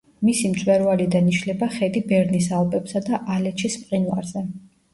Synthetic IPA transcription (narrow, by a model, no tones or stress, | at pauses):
misimt̪sʼwɛɾvalid̪aniʃlɛbaχɛd̪ibɛɾnisalˠbɛbsad̪aʔalɛt͡ʃʰispʼqʼinva̰ɾzɛ